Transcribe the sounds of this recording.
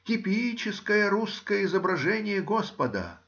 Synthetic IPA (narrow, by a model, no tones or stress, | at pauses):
kʲɪpʲit͡ɕɪskəjəɾuskəjəɪzəbɾɐʐɛnʲɪjəɡospəd̪ə̰